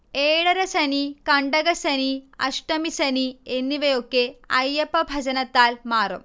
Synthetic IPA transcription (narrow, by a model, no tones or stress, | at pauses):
eːɽɐɾɐsɐnikɐɳɖɐɣɐsɐniɐ̰ʂʈɐmisɐnienːiʋɐjokːeɐjːɐpːɐbʱɐd͡ʑɐnɐt̪ːaːlmaːrṵm